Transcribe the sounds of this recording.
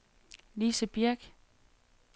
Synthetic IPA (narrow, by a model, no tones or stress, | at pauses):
liːsəb̥iɐɡ̥